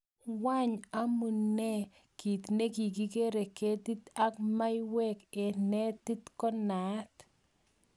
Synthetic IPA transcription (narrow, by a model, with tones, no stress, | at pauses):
wa˦ɲa˦mu˨ne˦ | ki˨t̪ne˦ki˨k̬i˦ke˦ɾe˨ke˦t̪i˦t̪a˦kma˦jwɛ˦ke˨nɛ˦t̪i˦t̪kɔ˦na˨˦t̪